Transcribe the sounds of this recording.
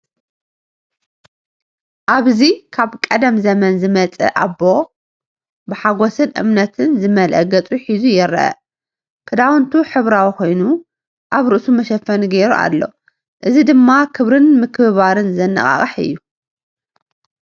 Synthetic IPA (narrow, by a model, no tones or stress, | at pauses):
ʔaβzikʰaβkʼɐd̪ɐmzɐmɐnzɨmɐt͡sʼɐ̰ʔa̰bo̞ | bɨħaɡosɨnʔɨ̰mnɐt̪ʰɨnzɨmɐlʔɐ̰ɡɐt͡sʼuħizujɛɾɐ̰ʔɐ̰ | kʰɨd̪awnt̪ʰuħɨβɾawikʰo̞jnu | ʔaβɾɨʔsumɐʃɐfːɐniɡeɾuʔa̰lːo̞̰ | ʔɨzid̪ɨmːakʰɨβɾɨnmɨkʰβaɾɨnzɐnːɐ̰χʼa̰χʼɐħɨ̰jːu